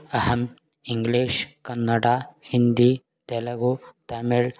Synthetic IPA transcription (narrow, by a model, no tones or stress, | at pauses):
ɐhɐm | iŋɡleːʃkɐnːɐɽaːhind̪iː | t̪ɛlɐɡut̪ɐmeɭ